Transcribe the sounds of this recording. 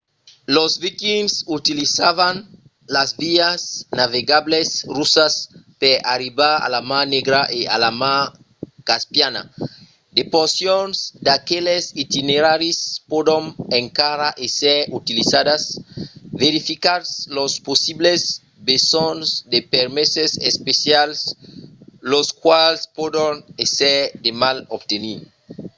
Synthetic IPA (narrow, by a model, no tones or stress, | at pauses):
lozvikinsut̪ilizavan | lazviasnaveɡablesrusaspeɾaɾibaa̰lamãneɡɾaʔea̰lama | kaspjana̰ | d̪epoɾsjonzd̪akelesit̪ineɾaɾispod̪oneŋkaɾaʔeseɾut̪ilizad̪as | veɾifikaɾslosposiblez | besonzd̪epeɾmesesespesjals | loskwalspod̪oneseɾd̪emalob̚t̪eniɾ